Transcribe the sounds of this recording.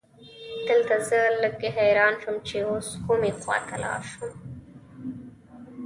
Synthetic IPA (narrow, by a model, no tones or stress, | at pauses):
d̪̥əlt̪azələɡ̚eɦajɾɑːnʃəmt͡ʃeoskomexwɑ̰t̪ʰalɑ̰ɾʃum